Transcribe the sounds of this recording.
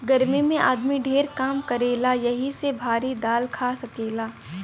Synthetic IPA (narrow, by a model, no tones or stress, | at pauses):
ɡɐɾmimẽʔaːd̪miɖʱeːɾkaːmkɐɾeːlajɐɦisebʱaːɾid̪aːlkʰaːsɐkeːlaː